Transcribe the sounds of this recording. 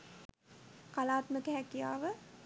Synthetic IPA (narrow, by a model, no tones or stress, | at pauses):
kalaːt̪məkəɦækija̰ːʋə